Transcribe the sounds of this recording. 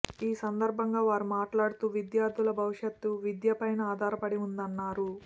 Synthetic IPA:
iːsɐnd̪ɐɾbʱɐŋɡaːʋaːɾumaːʈlaːɽut̪uːʋid̪jaːɾd̪ʱulɐbʱɐʋiʂjɐt̪ːuʋid̪jɐpɐjnɐaːd̪ʱaːɾɐpɐɽiund̪ɐnːaːɾu

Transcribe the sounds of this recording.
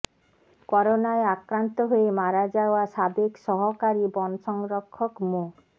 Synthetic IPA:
kɔɾonaeakɾant̪oɦoemaɾad͡ʑaoaʃabekʃɔɦokaɾibɔnʃɔŋɾɔkʰːɔkmo

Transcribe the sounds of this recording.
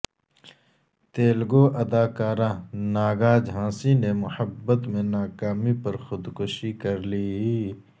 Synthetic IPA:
t̪eːlɡoːʔɐd̪aːkaːɾãːnaːɡaːd͡ʒɦãːsinemʊhəbːət̪mẽnaːkaːmipɐɾxʊd̪kʊʃikɐɾliː

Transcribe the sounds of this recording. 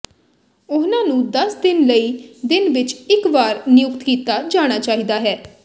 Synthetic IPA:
ʊsnãːnũːd̪əsd̪ɪnləiːd̪ɪnʋɪt͡ʃɪkʋaːɾnɪjʊkt̪kiːt̪aːd͡ʒaːɽ̃aːt͡ʃaːɦiːd̪aːɦɛː

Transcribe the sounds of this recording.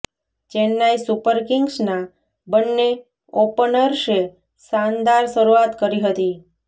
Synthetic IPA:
t͡ʃenːaisupəɾkɪŋɡsna | bənːe | opənəɾʃe | sand̪aɾʃəɾuat̪kəɾiɦət̪i

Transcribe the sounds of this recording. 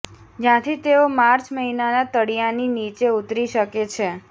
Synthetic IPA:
d͡ʒjãt̪ʰit̪eomaɾt͡ʃməɦinanat̪əɽijaninit͡ʃeut̪ɾiʃəket͡ʃʰe

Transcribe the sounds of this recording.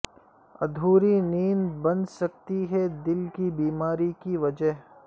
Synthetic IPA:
ɐ̰d̪ʱuːɾiniːnbɐ̃nsɐk̚t̪iɦɛd̪ɪlkibiːmaːɾikiʋɐd͡ʒəɦ

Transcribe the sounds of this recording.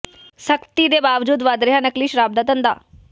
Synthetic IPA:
səkt̪id̪ebaːʋd͡ʒuːd̪ʋaːd̪ɾɪɦanəkliːʃɾaːb̚d̪at̪ənd̪a̰ː

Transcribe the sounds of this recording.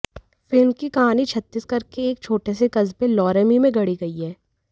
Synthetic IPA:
fɪlmkikɐɦaːnit͡ʃʰɐt̪ːiːskɐɾkeːk̚t͡ʃʰoːʈesekɐzpelɔːɾəmimẽɡɐɽiɡɐiɦɛː

